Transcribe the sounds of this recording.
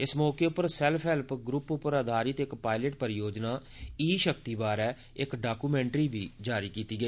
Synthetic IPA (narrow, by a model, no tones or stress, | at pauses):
ɪsmɔːkeːʊpəɾsɛlpʰɛlpɡɾʊpʊpəɾəd̪ʱaːɾɪt̪ɪkpaːɪləʈpəɾjoːd͡ʒnaː | iːʃəkt̪iːbaːɾɛː | ɪkɖaːkuːmɛ̃ːɳʈɾiːbʱḭːd͡ʒaːɾiːkiːt̪iːɡəiː